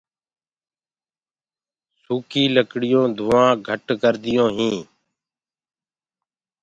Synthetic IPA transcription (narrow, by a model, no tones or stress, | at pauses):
suːkiːləkɽɪjõːd̪ʱʊːãːɡʱəʈkəɾd̪ɪjõːɦĩː